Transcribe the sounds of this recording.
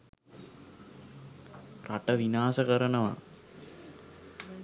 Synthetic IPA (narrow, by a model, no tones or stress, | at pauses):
raʈəʋinaːsəkəɾənəʋa̰